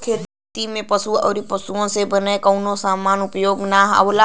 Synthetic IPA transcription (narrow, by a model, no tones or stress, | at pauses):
kʰeː | t̪imẽpəsuɔ̰ːɾipəsuõsebənekəʊnõsaːmaːnʊpjoːɡnaɦə̰ʋla